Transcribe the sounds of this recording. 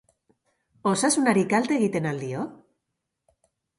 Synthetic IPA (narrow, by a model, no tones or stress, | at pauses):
osasunaɾikalt̪eɣit̪enald̪io